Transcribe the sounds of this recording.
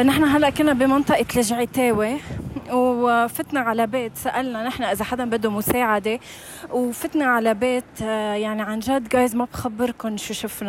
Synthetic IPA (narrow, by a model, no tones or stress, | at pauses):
nɪħnaɦalːaʔkɪlnːabimɑnt̪ˤɑʔɑt̪lɪʒʕet̪eːwewfɪt̪naʕalabeːt̪saʔalnanɪħnaʔɪzaħad̪ambad̪ːumʊseːʕad̪e | wfɪt̪naʕalabeːt̪jaʕniʕanʒaːd̪ɡaːjzmabxabːɪɾkʊnʃuʃʊfna